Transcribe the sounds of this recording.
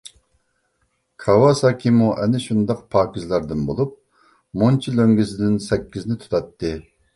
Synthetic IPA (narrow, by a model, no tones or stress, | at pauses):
kʰɑwɑsɑːkʲʰimuʔɛnɪʃund̪ɑqpʰɑːkʲizlˠɑɾd̪ɨnbolˠup̚ | mont͡ʃʰiløŋɡʲɪsɪd̪ɪnsɛkʲːiznɪt̪ʰu̥t̪ʰɑt̪ːɨ